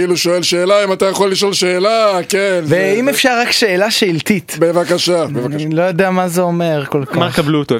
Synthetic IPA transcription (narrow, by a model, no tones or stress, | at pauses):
iluʃoelʃeːlaimat̪ajaχolːiʃolʃeːlakenveimefʃaʁːakʃe̞ːlaʃeilt̪it̪bevakaʃabevakalo̞jod̪eamazeome̞ʁkolkmmakablut̪o